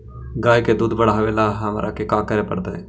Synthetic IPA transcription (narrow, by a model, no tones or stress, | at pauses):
ɡaːjked̪uːd̪bəɽaɦəʋeːlaɦɐmaːɾakekaːkəɾepə̰ɽt̪aɛː